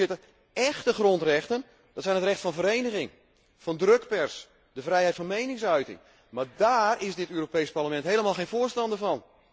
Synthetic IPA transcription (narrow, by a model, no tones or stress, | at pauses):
ɪtə | ɛxtəxrontrɛxtən | d̥ɑtsɛjnətrɛxtfɑnvəɾejnəɣɪŋ | fɑndrøkpɛrs | dəvrɛjɦɛjtfɑnmejnɪŋsœɥtɪ̰ŋ | maːdaːrɪsdɪtøːropejsparləmɛntɦejləmalˠxejnvʊərstɑndəvɑn